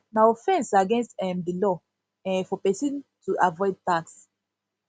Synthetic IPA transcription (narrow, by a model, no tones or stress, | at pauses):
naɔfɛ̃nsaɡɛ̃nstɛ̃mdilɔ | ɛ̃fɔpɛsĩntuʔavɔɪd̚taks